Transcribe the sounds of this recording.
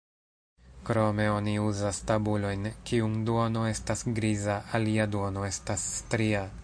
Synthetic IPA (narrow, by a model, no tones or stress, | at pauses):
kɾo̞me̞o̞niuzastabulo̞jnkiuŋduono̞e̞stasɡɾizaaliaduo̞no̞e̞stasːtɾia